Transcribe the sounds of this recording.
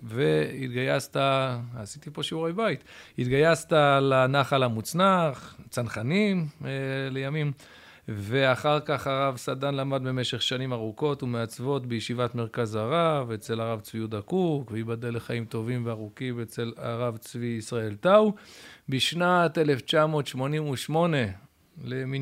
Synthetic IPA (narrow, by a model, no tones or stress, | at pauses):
veit̪ɡajastaasit̪ipo̞ʃiuʁejbajt̪hit̪ɡajast̪alanaχalamut͡snaχt͡sanχanimlejamim | ve̞aχaʁkaχaʁavsadanlamadbemeʃe̞χʃanimaʁuko̞tumeat͡svo̞tbejeʃivatme̞ʁkazaʁavet͡se̞laʁavt͡sviudakukveibadaleχaimto̞vimveaʁukiet͡sela̰ʁavt͡sviːsʁae̞lt̪awbiʃnat̪e̞le̞ft͡ʃamo̞ːt̪ʃmo̞nimuʃmo̞ne̞ | lemi